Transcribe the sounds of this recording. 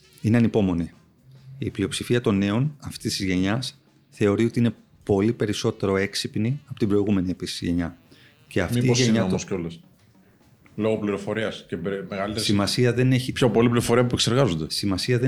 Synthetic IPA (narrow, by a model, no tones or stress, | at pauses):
ineɐnipo̞mo̞ni | iplio̞psifiɐt̪o̞ne̞o̞nɐft̪ist̪izʝe̞ɲɐs | θe̞o̞ɾio̞t̪iine̞ | po̞lipe̞ɾiso̞t̪e̞ɾo̞e̞ksipniɐpo̞t̪ibɾo̞iɣume̞nie̞pisi̥siʝe̞ɲɐ | ce̞ɐfmtiiʝeɲɐoso̞les | lo̞ɣopliɾo̞fo̞ɾiɐscepmeɣɐlit̪esimɐsiɐðe̞ne̞çipçopo̞lipliɾofo̞ɾiɐpopuekse̞ɾɣɐzond̪esimɐsiɐðe